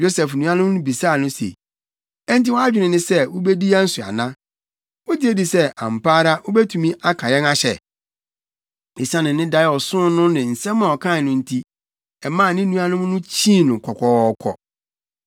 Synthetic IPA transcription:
jo˦sɛ˨fnũ˦a˦nʊ̃˦m˦nʊ̃˦bi˨saː˦˨nʊ̃˦sḛ˨ | ɛ˦n˦ti˦wɔ˦a˦d͡ʑᶣɪ˨nɪ̃˨nɪ̃˦sɛ˦wo˦be˦di˦a˦n̩˦sʊ˨a̰˨nã˦ | wo˦di˦e˦di˨sɛ˦ã̰˨m˨pʰaː˦ɾa˦wo˦be˦tʰũ˨mĩ˦ʔa˦kʰã˨jɛ˦na˦ɕɛ̰˨ | i˨sã˦nɪ̃˨nɪ̃˦da˦˨ɔ˨sʊ̃˦nʊ̃˦nɪ̃˨n̩˨sɛ̃˦mã˨ɔ˨kʰã˦˨nʊ̃˦n̩˦tʰi˦ | ɛ˨mãː˦˨nɪ̃˦nũ˦a˦nʊ̃˦m˦nʊ̃˦t͡ɕʰĩ˦˨nʊ̃˨kʰɔ˨kʰʷɔ˦ɔ˦kʰɔ̰˨

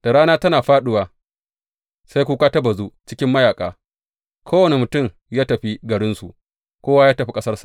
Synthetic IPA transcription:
d̥a˨ɽaː˦naː˦tɐ˦naː˨ɸaː˦ɗʊ˦waː˨ | sa˦jkʷuː˦kaː˦tɐ˦bɐ˨zu˦t͡ʃɪ˦kʲɪ˦mːɐ˦jaː˨kʼa̰ː˨ | kʰoː˦wɐ˨ne˨mʊ˨tʊ˦˨m | jaː˦tɐ˨ɸi˦ɡɐ˨ɽɪ˦nsu˨ʔ | kʷoː˦wa˦jaː˦tɐ˨ɸi˦kʼɐ˦sɐ˦rsḁ˨

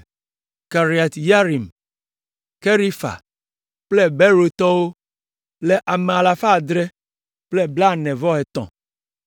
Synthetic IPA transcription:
ka˨ɾi˨a˨t̪ja˦ɾi˨m | ke˦ɾi˦fa̰˨ | k͡plɛ˦bɛ˦ɾo˨t̪ɔ˦wo˦ | lɛ˦ʔa˨me˨a˨la˨fa˦˨d̪ɾɛ˦ | k͡plɛ˦bla˦˨nɛ̃˨vɔ˦ɦɛ˨t̪ɔ̰̃˨

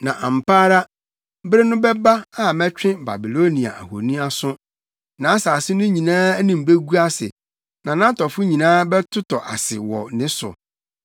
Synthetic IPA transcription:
nã˨ʔã˨m˨paː˦ɾa˦ | bɾɪ˦nʊ̃˦bɛ˦ba˦a˦mɛ̃˦t͡ɕᶣɪ̃˦ba̰˨bi˨lo˦nĩ˨a̰˨ʔa̰˨ho̰˨nĩ˦a˦sʊ̃˦ | nã˨˦a˦saː˨sɪ˦nʊ̃˦ɲĩ˨nãː˦nĩ˨m̩˨be˦ɡu˦a˦sɪ̰˨ | nã˨nã˦tɔ˨fʊ˦ɲĩ˨nãː˦bɛ˦tʰʊ˦tʰɔ˨ʔa̰˨sɪ̰˨wɔ̰˨nɪ̃˦sʊ̰˨

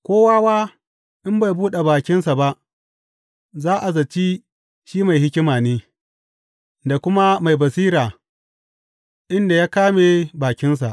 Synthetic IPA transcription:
kʷoː˦waː˦waː˦ | ʔɪ˦mba˨jbuː˦ɗe˨baː˨kʲɪ˦nsa˨ba˦ʔ | zaː˦ʔa˨zɐ˨t͡ʃi˦ | ʃiː˦ma˨jɦɪ˦kʲɪ˦maː˨neː˦ | da˨kʷʊ˦ma˦ma˨jbɐ˨siː˦ɾaː˨ | ʔɪ˦nda˨jaː˦kaː˦me˨baː˨kʲɪ˦ns̬a˨ʔ

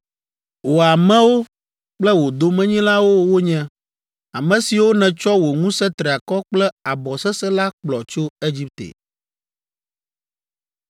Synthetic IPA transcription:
wo˨a˨mɛ̃˦wo˦ | k͡plɛ˦wo˨d̪o˨mɛ̃˦ɲĩ˦la˦wo˦wo˦ɲɛ̃˦ | a˨mɛ̃˨si˨wo˦nɛ̃˨t͡ʃɔ˦wo˨ŋũ˦sɛ˦t̪ɾɛ˨a˨kɔ˦k͡plɛ˦a˨bɔ˨sɛ˦sɛ˦la˦k͡plɔ˨t͡ʃo˦e˦d͡ʑi˦p̚t̪ḛ˨

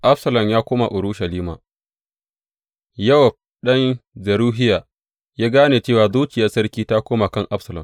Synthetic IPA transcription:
ʔa˦bsɐ˨lɐ˨mjaː˦kʷoː˦ma̰˨ʔʊ˨ɽʊ˦ʃɐ˨liː˦ma̰˨ | jɐ˦wɐ˨p̚ | ɗɐ˦nd͡ʒɐ˨ɾuː˦ɦɪ˦jaː˨ | jaː˦ɡaː˦neː˨t͡ʃeː˦˨waː˨zuː˦t͡ʃɪ˨jaː˦sɐ˦rkʲiː˦ta˦kʷoː˦ma˨kɐ˦˨ŋʔa˦bsɐ˨lɐ̰˨m

